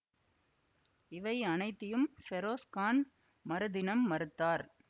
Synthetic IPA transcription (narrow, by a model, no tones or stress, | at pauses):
ɪʋɐɪɐnɐɪt̪ːɪjɯmfɛɾoːskaːn | mɐɾɯðɪnɐmːɐɾɯt̪ːaːɾ